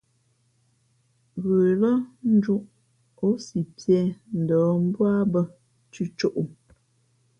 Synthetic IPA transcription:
ɣə˨lə˦n̩˦d͡ʒu˦ʔ | o˦si˨pjɛ˦n̩˨dɔ˨˦m̩˦bwa˦bə˦ | t͡ʃʉ˦t͡ʃo˦ʔu˨

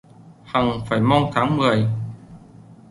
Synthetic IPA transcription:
ha˨˩ŋfaː˧˩jmɔ˧wnt̪ʰaː˨˦ŋmɨ˨˩əj

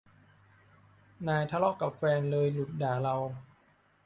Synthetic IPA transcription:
naː˧jt̪ʰa˧lɔ˦˥ka˨˩p̚fɛː˧nlɤː˧jlu˨˩t̪̚daː˨˩˦la˧w

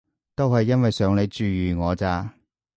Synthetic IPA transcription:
t̪o˥whɐ˨jːɐ˥nwɐ˨jsœː˨˧ŋle˨˧jt͡ʃyː˨˧jyː˨ŋɔː˨˧t͡saː˧

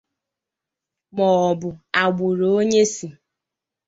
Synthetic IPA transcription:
mɔː˨bʊ˨a˨ɡ͡bʊ˨ɾo˨o˦ɲe˦si˨

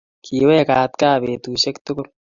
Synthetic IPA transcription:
kʰiːwɛː˦kaː˨t̪kaː˦beː˨t̪uːʃɛ˦kt̪ʊ˦kʊ˦ɾ

